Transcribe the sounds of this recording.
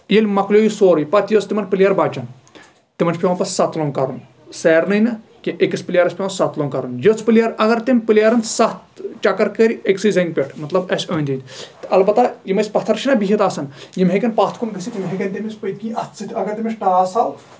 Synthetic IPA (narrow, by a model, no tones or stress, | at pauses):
jelʲmɐklʲjoːjisoːɾjpɐt̪jot͡sʰt̪imɐnpɨlʲjaːɾbaːd͡ʒɐn | t̪imɐnt͡ʃʰpʲeʋɐnpɐssɐt̪loːŋkɐɾun | sɛːɾnɐjnɨ | kiʔekɐspɨlʲjaːɾɐsʲpʲeʋɐnsɐt̪loːŋkɐɾunjot͡sʰpɨlʲjaːɾʔɐɡɐɾt̪imʲpɨlʲjaːɾɐnsɐt̪t͡ʃɐkɐɾkəɾʲiʔeksɨjzɐŋʲɡʲpʲeʈʰmɐt̪lɐbɐsʲoːnʲd̪it̪ʲt̪ɐlbɐt̪ajimɐsʲpɐt̪ʰɐɾt͡ʃʰinɐbiɦit̪aːsɐnjimɦekʲɐnpaːt̪ʰkunɡɐsit̪ʲimɦekʲɐnʲt̪ʲimʲisʲpəkʲiːɐt͡sɨt̪ʲɐɡɐɾt̪imisʈaːsal